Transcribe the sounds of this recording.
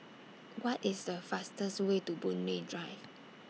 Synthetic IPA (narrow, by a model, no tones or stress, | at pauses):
wɔtɪsdəfastəstwetubũnmedɹaɪv